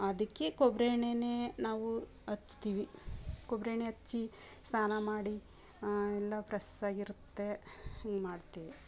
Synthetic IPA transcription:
ɐd̪ɐkːekobɾeːɳeneːnaːʋu | ɐt͡ʃːt̪iːʋikobɾeːɳeɐt͡ʃːi | st̪aːnɐmaːɽi | ɛlːɐpɾɐsaːɡiɾut̪ːe̞ɐŋɡmaːɖt̪iːʋi

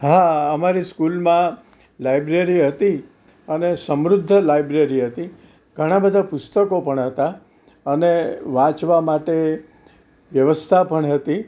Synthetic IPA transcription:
ɦaəmaɾiskulmã | lajbɾeɾiɦət̪i | ənesəmɾʊd̪ʱːəlajbɾeɾiɦət̪i | ɡʱəɽ̃abəd̪ʱapʊst̪əkopəɳɦət̪a | əneʋãt͡ʃʋamaʈe | ʋjəʋəst̪ʰapəɳɦət̪i

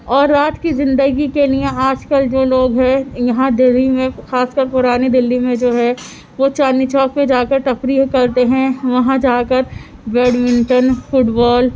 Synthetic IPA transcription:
ɔːɾːaːt̪kizɪ̃nd̪əɡikeliẽaːd͡ʒkəld͡ʒoːloːɡɦɛ̃jɐɦãd̪ɪlːimẽxaːskəɾpʊɾaːned̪ɪlːimẽd͡ʒoːɦɛ | ʋot͡ʃaːnit͡ʃɔːkpẽd͡ʒaːkəɾʈɐpɾiɦkɐɾt̪eɦɛ̃ʋɐɦãd͡ʒaːkəɾʋeːɖmɪ̃ɳʈənfʊʈbɔːl

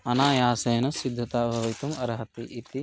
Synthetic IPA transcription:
ɐnaːjaːsɐjɐnɐsid̪ʱːɐt̪aːbʱɐʋɐt̪umɐɾɦɐt̪iʔit̪i

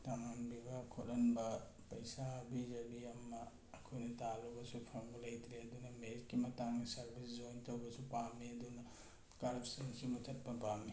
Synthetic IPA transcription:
tɐmanbibakʰotɐnbɐ | pɐjsaɐbizɐbiɐmːɐː | kʰojnɐtalubɐsupʰɐmbɐlɐjt̪ɾiɐd̪unɐmeɾitːimɐtaŋnɐsɐɾbʱisd͡ʒojntɐwbɐsupamːiɐd̪unɐ | kaɾpsinsimutʰɐt̚pɐpami

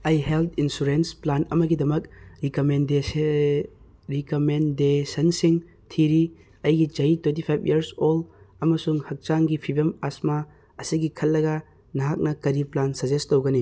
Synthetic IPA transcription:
ɐjɦelt̪ʰinsuɾensplanɐ̰mɐɡidɐmɐk̚ɾikomen | ɾikomendesɐnsiŋ | tʰiɾi | ɐjɡid͡ʒɐitwent̬ipʰajpʰḭɐɾsolɐmɐsuŋhɐk̚t͡ʃaŋɡipʰibɐmasma | ɐsiɡikʰɐlːɐɡɐ | nɐɦak̚nɐkɐɾiplansɐd͡ʒestowɡɐni

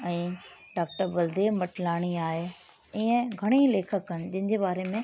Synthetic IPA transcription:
ɛ̃ː | ɖaːk̚ʈəɾbɐld̪eːmɐʈlaːɽ̃iaːɦe | ɪːə̃ɡʱɐɽ̃ileːkʰəkːəñɪ̆d͡ʑɪ̃ɦɪɲd͡ʑebaːɾemẽ

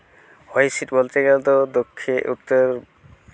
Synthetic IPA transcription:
hojsiʈbolt̪eɡɛlt̪od̪okʰːeʔut̪ːoɾ

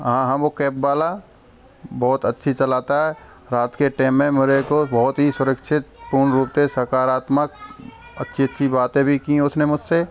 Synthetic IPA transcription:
ɦãɦãʋokɛːpbaːla | bɔɦːʊt̪ətːʃʰit͡ʃɐlaːt̪aɦɛɾaːt̪keʈɛːmːẽmeɾekobɔɦʊt̪ɦisʊɾəkʃʰɪt̪̚pʊɾɳɾuːpt̪ẽsɐɾkaːɾaːt̪mək̚ | ə̰tːʃʰiətːʃʰibaːt̪ẽbʱikiʊsnemʊd͡ʒse

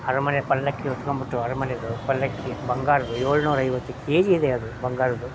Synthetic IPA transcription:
ɐɾɐmɐnjɐpɐlːɐkːiot̪ːukɐmbiʈːuɐɾɐmɐnjɐd̪upɐlːɐkːibɐŋɡaːɾɐd̪ujoːɭunuːɾɐɐjʋɐt̪ːukeːd͡ʒiːd̪eɐd̪ubɐŋɡaːɾɐd̪u

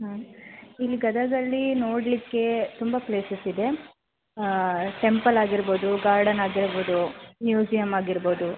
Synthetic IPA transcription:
ɦɐilːiɡɐd̪ɐd̪ɐlːinoːɽlikːe̞t̪umbɐpleːsɐsid̪e̞ | ʈe̞mpɐlaːɡiɾbo̞ːd̪uɡaːɾɖɐnaːɡiɾbo̞ːd̪unjuːd͡ʒijɐmaːɡiɾboːd̪u

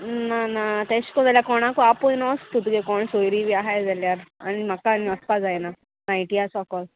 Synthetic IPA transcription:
nanat̪ɛɕkɔd͡zaljakɔɽ̃akoapojnɔst̪ut̪ɡekɔɳsojɾiʋiaɦajd͡zaljaɾa̰ɽ̃im̤akanɔst̪ad͡zajna | najʈijasɔkɔl

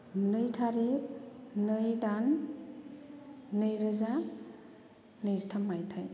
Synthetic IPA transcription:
nɯjtʰaɾe | nɯjdan | ɯjɾɯza | nɯjztʰamajtʰaj

